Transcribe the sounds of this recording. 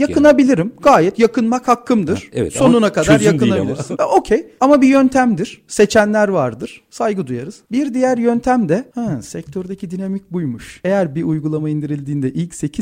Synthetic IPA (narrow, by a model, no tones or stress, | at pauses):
jakʰɯnabilʲiɾimɡ̥aːjɛt̪jakʰɯnmakhakʰːɯmd̪ɯɾ̥̰ɛ̰so̞nunakad̪ɾjaɯnabilʲiɾizɛʔo̞cʰejamabijønt̪ʰæmd̪iɾ̥se̞t͡ʃʰænlʲæɾvaɾd̪ɯɾ̥sajɡɯd̪ujaɾɯz̥biɾd̪ijæɾjønt̪ʰæmd̪ɛhɛsɛc̚t̪ʰøɾd̪ecʰid̪inamic̚bujmuʃe̞jæɾbiʔujɡulˠamaind̪iɾilʲd̪iːnd̪ɛʔilʲcse̞cʰi